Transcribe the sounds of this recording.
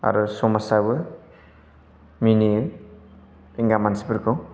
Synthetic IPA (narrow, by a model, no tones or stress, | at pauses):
a̰ɾusɔmasabɯ | mini | iŋɡamansibɯɾkʰɯw